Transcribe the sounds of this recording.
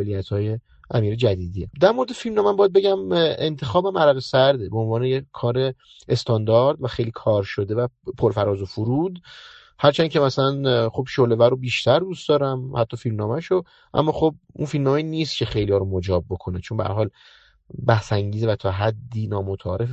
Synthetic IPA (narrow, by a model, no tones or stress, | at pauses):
elijæt̪ʰhɒːje̞ | ʔæmiːɾed͡ʒæd̪iːd̪iːḛd̪æɾmo̞ɾed̪efilmnɒːmæmbɒjæd̪̚be̞ɟæmḛnt̪ʰe̞xɒːbæmæɾæɣesæɾd̪ebeonvɒːnejekʰːɒːɾe̞ | est̪ʰɒnd̪ɒɾd̪væxe̞jliːkʰɒːɾʃod̪e̞væpʰoɾfæɾɒːzofuɾuːd̪ | hæɾt͡ʃʰæncʰe̞mæsælænχobʃole̞væɾobiːʃt̪ʰæɾd̪ustd̪̥ɒːɾæmhæt̪ʰːɒːfilmnɒːmæʃo | ʔæ̰mːɒːxob̚unfilmnɒːmeiniːst̪cʰe̞xe̞jliɒːɾomod͡ʒɒːbːo̞kʰo̞net͡ʃʰombæ̰æ̰ɾɦɒːl | bæhsæŋɟiːzevæt̪ʰɒːɦæd̪ːiːnɒːmot̪ʰɒ̰ːɾef